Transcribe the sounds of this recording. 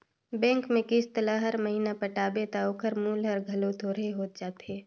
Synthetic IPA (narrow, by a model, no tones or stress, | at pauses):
bɛ̃ːŋkmẽkɪst̪əlaɦɐɾmɐɦiːnapɐʈaːbet̪aoːkʰəɾmuːlɦɐɾɡʱɐlot̪ʰoːɾəɦeɦoːt̪̚d͡ʒaːt̪ɦeː